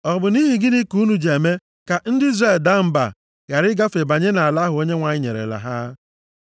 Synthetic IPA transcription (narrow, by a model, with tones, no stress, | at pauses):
ɔ˨bʊ˨ni˦ɦi˨ɡɪ˦ni˦ku˦nu˨d͡ʒe˨e˨me˦ | ka˨n̩˦dɪ˦i˦zɾe˦˨lda˦m̩˦ba̰˨ | ɣa˨ɾɪ˦ɡa˦fe˨ba˨ɲe˦na˨a˨la˦ɦʊ˨o˦ɲe˦ŋʷa˨ɲɪ˦ɲḛ˨ɾḛ˨la̰˨ɦa˦